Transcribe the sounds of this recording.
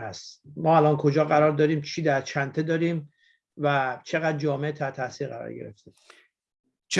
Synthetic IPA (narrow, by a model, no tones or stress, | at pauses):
hæst̪mɒːælɒːnkʰo̞d͡ʒɒːɣæɾɒːɾd̪ɒːɾiːmt͡ʃʰiːd̪æɾt͡ʃʰænt̪ʰed̪ɒːɾiːm | væt͡ʃʰe̞ɣæd̪̚d͡ʒɒːmeet̪ʰæt̪ʰæsiːɾɣæɾɒ̰ːɾɟe̞̰ɾḛft̪e | t͡ʃʰ